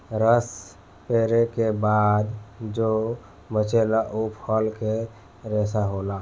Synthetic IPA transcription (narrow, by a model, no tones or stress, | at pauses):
ɾəs | peːɾekebaːd̪d͡ʒo | bət͡ʃelaʔupʰəlke | ɾesaɦola